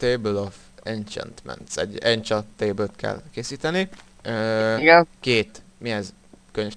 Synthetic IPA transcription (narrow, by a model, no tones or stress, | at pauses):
t̪eːbølof | ɛnt͡ʃɛ̰nt̪mɛ̰nt̪sɛ̰ɟːɛɲt͡ʃɒt̪ːeːbøt̪kʰɛ̰lkeːsiːt̪ɛni | øːiɡɛnkeːt̪miɛz | køɲø